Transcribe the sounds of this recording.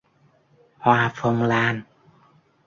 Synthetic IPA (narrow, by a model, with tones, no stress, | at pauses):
hwaː˧fɔ˧ŋ͡mlaː˧n